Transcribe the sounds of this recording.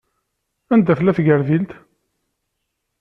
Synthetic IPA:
ænd̪æfəlːæθɡəɾðilt̪

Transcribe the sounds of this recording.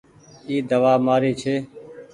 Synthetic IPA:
iːd̪əʋaːmaːɾeːt͡ʃʰeː

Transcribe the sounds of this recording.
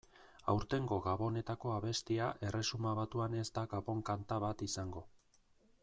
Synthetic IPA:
a̰wɾt̪e̞ŋɡo̞ɣaβo̞ne̞t̪ako̞aβe̞st̪iaʔe̞re̞sumaβat̪uane̞zd̪aɣaβo̞ŋkant̪aβat̪isaŋɡo̞

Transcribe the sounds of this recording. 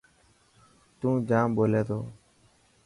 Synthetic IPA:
t̪ũːd͡ʒãːmɓoːleːt̪oː

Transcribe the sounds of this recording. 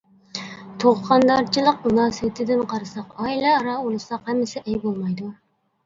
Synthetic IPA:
t̪ʰoʁqʰɑnd̪ɑɾt͡ʃʰilˠəq̚munɑːsɨwɪt̪ʰɪd̪ɪnqʰɑɾɨsɑqɑilˠɑɾɑolˠɨsɑqhɛmːɪsɪʔɛjbolˠmɑjd̪u

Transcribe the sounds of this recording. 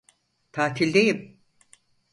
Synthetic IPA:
t̪ʰaːt̪ʰilʲd̪ejim

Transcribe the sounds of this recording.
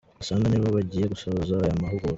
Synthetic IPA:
asaːŋɡaniːβoβaɟiːje̞ɡusoβuzaajamaɦuɡo

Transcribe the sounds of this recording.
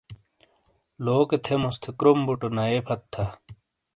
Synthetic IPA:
loːket̪ʰemust̪ʰekɾumbuʈonaepʰɐt̪ʰːa

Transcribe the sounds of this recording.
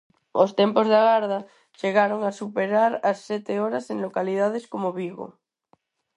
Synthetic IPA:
ost̪empozðaɣaɾða | ʃeɣaɾoŋasupeɾaɾasːet̪eoɾaseŋlokalið̞að̞eskomoβiɣo̰

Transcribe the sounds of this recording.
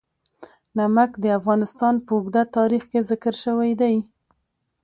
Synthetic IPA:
namakd̪əafɣɑnɪst̪ɑnpəʊɡd̪at̪ɑɾixkezɪkəɾʃəwajd̪aj

